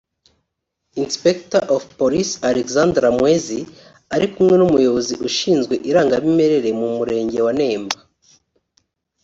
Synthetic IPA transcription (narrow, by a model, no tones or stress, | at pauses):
inspektaʔofpoɾisaɾekzandɾamwezi | aɾikumŋe̞numujo̞βo̞ziʔuʃiːnzɡwe̞ʔiɾaːŋɡaβime̞ɾe̞ɾe̞mumuɾe̞ːɲɟe̞wane̞ːmba